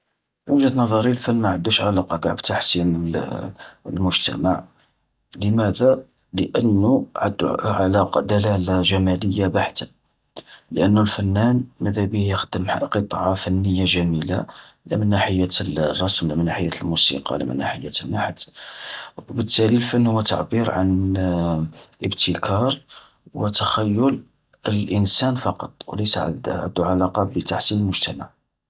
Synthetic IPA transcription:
fiwəʒæd̪nɑðˤɑɾilfənːmaʕad̪ːuʃʕalɑqɑɡaʕbt̪aħsinə | əlmʊʒt̪æ̰maʕ | ləmæd̪æ | ləʔənːuʕad̪ːʕalɑqɑd̪ælælaʒæmæləjːabaħt̪ə | ləʔənːulfænːænməd̪æbihjəxd̪̥əmqət̪ˤʕɑfænːəjːaʒæmila̰ | læ̰mənːaħəjːarˤːɑsmlæmənːaħəjːæt̪lmusḭqɑ̰læ̰mə̰nːa̰ħəjːat̪ənːaħd̪ | wbət̪ːælilfənːhwːæt̪a̰ʕbiɾʕa̰n | ʔəbt̪ʰəkʰɑɾˤ | wət̪axæjːʊl | əlʔənsænfɑqɑ̰t̪ˤwləjsʕʕa̰d̪uʕalɑqɑbət̪aħsinəlmʊʒt̪æma̰ʕ

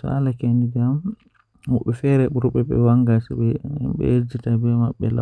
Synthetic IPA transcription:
sɔ̰alakenid͡ʒam | huɓɛfɛɾɛɓuɾuɓɛɓɛ̰waŋɡasɛɓɛɓɛ̰ed͡ʒitabɛmaɓːɛ̰la̰

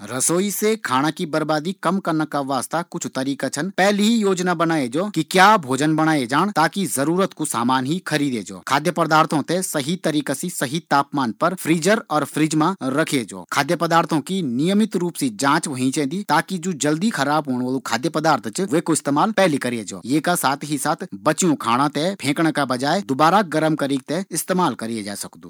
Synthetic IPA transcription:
ɾɐsoːisekʰaːɽ̃akibɐɾbaːd̪ikɐmkɐɾnəkaʋaːst̪akʊt͡ʃʰt̪ɐɾiːkat͡ʃʰɐnpɛːliɦijoːd͡ʒnabɐnaːed͡ʒoːkikjaːbʱoːd͡ʒənbɐɽ̃aːed͡ʒaːɽ̃t̪aːkizɐɾuːɾət̪kusaːmaːnɦikʰɐɾiːd̪ed͡ʒo̰ːkʰaːd̪jəpəd̪aːɾt̪ʰõt̪esɐɦit̪ɐɾiːkasisɐɦit̪aːpmaːnpɐɾpʰɾiːd͡ʒəɾɔːɾpʰɾɪːd͡ʒmãɾɐkʰied͡ʒo̰ːkʰaːd̪jəpɐd̪aːɾt̪ʰõkinɪjəmɪt̪ɾuːpsid͡ʒãːt͡ʃʋɐɦĩt͡ʃɛ̃ːnd̪it̪aːkid͡ʒoːd͡ʒɐld̪ikʰɐɾaːbɦoːɽ̃ʋəːlukʰaːd̪jəpɐd̪aːɾt̪ʰt͡ʃʋeːkoɪst̪eːmaːlpɛːlikɐɾed͡ʒo̰ːjeːkasaːt̪ʰɦisaːt̪ʰbɐt͡ʃijõkʰaːɽ̃ãt̪epʰẽːkɽ̃kabɐd͡ʒaːed̪ʊbaːɾaɡɐɾəmkɐɾiːk̚t̪eɪst̪eːmaːlkɐɾied͡ʒa̰ːesɐkd̪ṵː

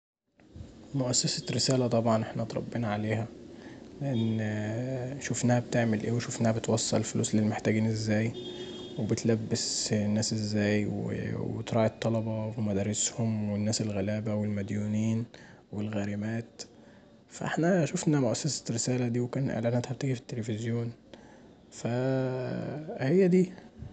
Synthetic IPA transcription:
mʊʔæsːæsæɾɪsæːlæt̪ˤɑbʕɑnʔeħnæt̪ɾˤɑ̰bːenɑʕaleːhæleʔænː | ʃofnæːhæb̚t̪eʕmelʔeːweʃofnæːhæbet̪wɑsˤːɑ̰llfʊlṵːslelːmeħt̪æːɡiːnʔɪzːæːjwebɪt̪læbːɪsnːæːsʔɪzːæːjwḛwḛt̪ɾˤɑːʕit̪ˤːɑlɑbɑwemæd̪æːɾˤeshomwenːæːselɣælæːbæwelmæd̪juːniːn | welɣæːɾɪmæːt̪ | fæʔḛħnæʃufnæmoʔæsːæsæ̥ɾesæːlæd̪iːwekæːnʔḛʕlæːʔnæt̪ħæbt̪æɡifi̥t̪ːelefɪzjoːn | fæ | hejːæd̪iː

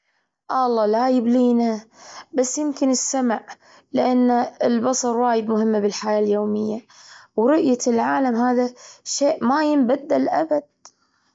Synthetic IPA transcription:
ʔɑlˤːɑːlajɪbliːnabasːjɪmkɪnɪsːamaʕ | lɪʔanːaɪlbɑsˤɑɾˤwaːjɪd̪mʊhɪmːabɪlħajaːljoːmɪjːa | wɾʊʔjalʕaːlamhaːðaʃeːʔmajɪmbad̪ːalʔabad̪̥̚

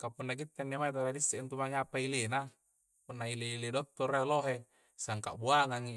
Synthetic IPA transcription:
kapunːak̬it̪ːanːamait̪aladisːeʔint̪umaŋapailena | punːaileiledok̚t̪ːoɾaloɦe | saŋka̰ʔbuaŋaŋi

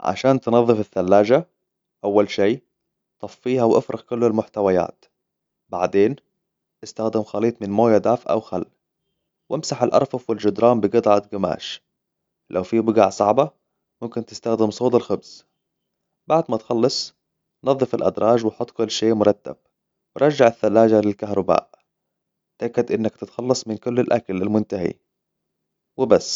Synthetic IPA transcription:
ʕa̰ʃaːnt̪nɑðˤːɨfɪθːalːaːd͡ʒa | ʔawːalʃiː | t̪ˤɑfːiːɦawʔafɾɪɣkʊlːalmʊħt̪awaja̰ːt̪ | ba̰ʕd̪eːn | ʔɪst̪axd̪ɪmxɑliːt̪ˤmɪnmoːjad̪aːfʔa̰wxalː | wʔɪmsaħalʔɑ̰ɾˤfɑfwɪld͡ʒʊd̪ɾˤɑːmbɪɡɑd̪ˤʕat̪ɡɪma̰ːʃ | lʔa̰wfibʊɡaʕsˤɑʕba | mʊmkɪnt̪ɪ̥st̪axd̪ɪmsˤoːt̪ˤɪlxʊbz̥ | baʕd̪mat̪xɑlːɑsˤ | nɑðˤːɨfalʔa̰d̪ɾˤɑːʒwɪħʊt̪ˤːkʊlːʃeːʔmʊɾˤɑt̪ːa̰b̥̚ | wɪɾˤɑd͡ʒːaʕaθːalːaːd͡ʒalɪlkahɾˤɑba̰ːʔ | t̪ʔakːad̪ʔɪnːakt̪ɪt̪xɑlːɑsˤmɪnkʊlːalʔa̰kalalmʊnt̪aɦḭ | wɪbasː

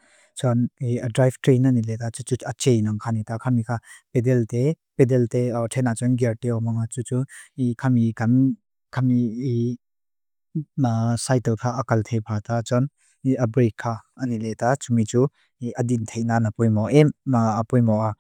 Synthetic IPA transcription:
t͡ʃɔniədɾajftɾenanilet̪at͡sut͡suat͡ʃejnaŋkʰanit̪akʰamikʰapedɛltepedɛlteɔtʰenat͡sɔnɡɛɾteɔmaŋat͡sut͡suikʰamikɐm | kʰamii | sajtɔlpʰaʔɐkɐlt̪ʰepʰat̪at͡ʃɔn | iʔabɾekʰːaɐniletat͡ʃumit͡su | iʔədint̪ʰejnanapɔjmɔʔɛmaːpɔjmɔʔa

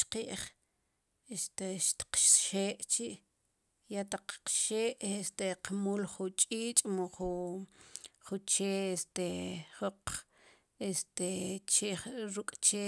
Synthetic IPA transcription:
qiːʔχ | est̪eʃt̪i̥qʃʃeːʔt͡ʃiʔ | jat̪aq͡χqʃeːʔest̪eqmuːlχut͡ʃʼiːt͡ʃʼmoχu | χut͡ʃeːest̪eχoq | est̪et͡ʃeχɾukʼt͡ʃe

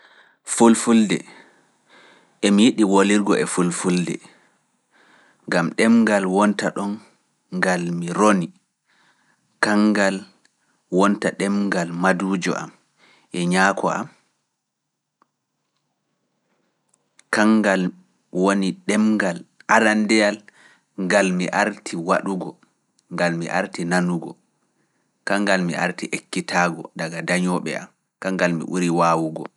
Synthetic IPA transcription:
fulfuldɛ̰ | ʔɛmijiɗiwoliɾɡɔ̰ʔɛfulfuldɛ̰ | ŋɡamɗɛmŋɡalwɔntaɗɔn | ɡalmiɾoni | kaŋɡal | wɔntaɗɛmɡalmaduːd͡ʒɔ̰ʔa̰m | ʔɛɲaːkʰɔ̰ʔa̰m | kaŋɡal | woniɗɛmɡalʔaɾandɛjal | ŋɡalmiʔaɾtʰiwaɗuɡɔ | ŋɡalmḭʔa̰ɾtinanuɡɔ̰ | kaŋɡalmiʔa̰ɾtiʔekːitʰaːɡɔ̰daɡadaɲɔɓɛ̰a̰m | kaŋɡalmḭʔuɾiwaːwuɡɔ̰

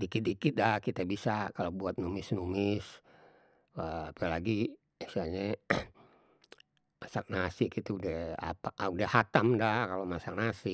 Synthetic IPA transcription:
dikit̪̚dikit̪̚dahkit̪abisakalobuat̪̚numɪsnumɪs | əapɛlaɡi | isalɲa | masak̚nasikit̪uudɛha̰paudɛhat̪amdahkalomasak̚nasɪ

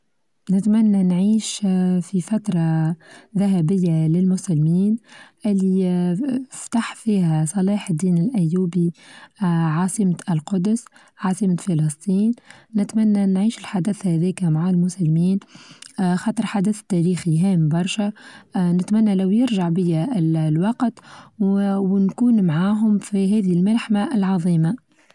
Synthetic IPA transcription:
nɪt̪mænːænʕiːʃfifat̪ɾˤɑðaɦæbɪjːalɪlmʊsælːmiːnʔɪlːi | ft̪aħfiːhæsˤɑliːħd̪ːiːnɪlʔæjːuːbi | ʕɑːsˤimælqʊd̪s | ʕɑːsˤimafɑlɑsˤt̪ˤiːnːɪt̪mænːænːʕiːʃɪlħad̪əθhæðɛːkmaʕalmʊsalmiːn | xɑːt̪ˤəɾˤħad̪əθt̪ːæɾiːxiɦɛːmbɑɾˤʃanɪt̪mænːælæwjɪɾʒaʕbɪjːallwɑqt̪ | wnkuːnmʕaːɦʊmfiɦɛːðihɪlmalħmaʔɪlʕɑðˤiːma

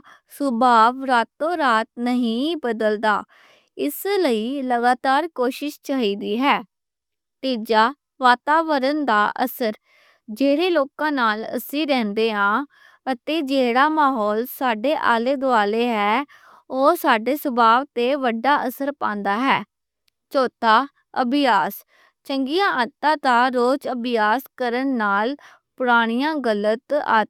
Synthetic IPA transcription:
sʊbaːʋɾaːt̪ːõːɾaːt̪̚nəɦĩːbəd̪əld̪a̰ː | ɪsləiːləɡaːt̪aːɾkoːʃɪʃt͡ʃaːɦiːd̪iːɦɛː | t̪iːd͡ʒaː | ʋaːt̪aːʋəɾənd̪aːʔə̰səɾ | d͡ʒeːɾeːloːkãːnaːlə̰sĩːɾɛ̃ːnd̪eːɦãː | ət̪eːd͡ʒeːɽaːmaːɦɔːlsaːɖeːʔaːleːd̪oaːleːɦɛː | oːsaːɖeːsəbaːʋt̪eːʋəɖːaːʔəsəɾpãːnd̪aːɦɛː | t͡ʃoːt̪aː | əbɪjaːs | t͡ʃəŋɡɪjãːʔə̃t̪ːãːt̪aːɾoːt͡ʃəbɪjaːskəɾənːaːl | pʊɽaːɽ̃ɪjãːɡələt̪a̰t̪

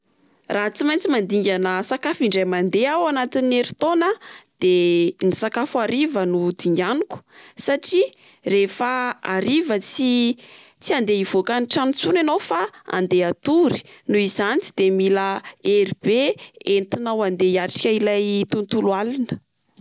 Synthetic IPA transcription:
raɦt͡simajnt͡simand̪iŋɡʲanəsakafiɳɖ͡ʐajmand̪eawanat̪ineɾit̪onad̪̥enisakafuaɾivənud̪iɲɡanuku̥saʈ͡ʂi | refaaɾivət͡si | t͡siand̪eiv̥okaniʈ͡ʂant͡sunanawfaa̰nd̪eat̪uɾi̥nuizanit͡si̥d̪̥emiləeɾibeent̪inawand̪eiaʈ͡ʂḁkʲəilajt̪unt̪ulualinə̥

